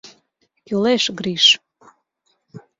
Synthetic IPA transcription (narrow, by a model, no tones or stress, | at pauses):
kʲyleʃɡɾiʃ